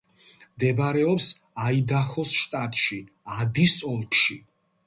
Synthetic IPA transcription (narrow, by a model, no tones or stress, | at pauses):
md̪ɛbɾɛɔps | aid̪aχɔsʃt̪ʼat̪ʼʃi | ad̪isɔlˠkʰʼʃi